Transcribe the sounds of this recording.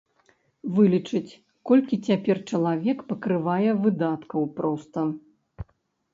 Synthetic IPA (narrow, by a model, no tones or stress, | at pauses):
vɨlʲit͡ʂɨt͡sʲ | kɔlʲkʲit͡sʲapʲɛrt͡ʂɐlˠavʲɛkpɐkɾɨvajɛvɨd̪at̪kɐwpɾɔst̪ɐ